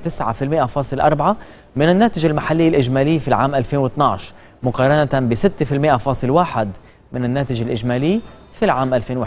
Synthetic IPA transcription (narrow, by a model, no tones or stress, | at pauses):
t̪ɪsʕa̰fɪlmɪʔafɑːsˤɨlʔɑ̰ɾˤbʕa | mɪnɪnːaːt̪ɪʒɪlmaħalːɪjːalʔɪʒmaːlɪːfilʕa̰ːmʔalfeːnwɪt̪nɑʕʃ | mʊqɑːɾˤɑnat̪abɪsɪt̪ːfɪlmɪʔafɑːsˤɨlwaːħɪd̪ | mɪnɪnːaːt̪ɪʒɪlʔɪd͡ʒmaːlɪː | filʕaːmʔalfeːnwɪ